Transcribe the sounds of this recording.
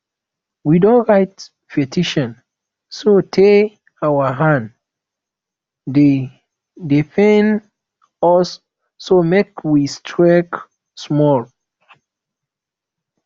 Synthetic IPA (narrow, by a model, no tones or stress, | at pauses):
widõnɹaɪt | fetʰiʃɔ̃n | sotʰe | awaɦãnd | de | defɛ̃n | ɔsː | omekwistʰɹɛk | smɔl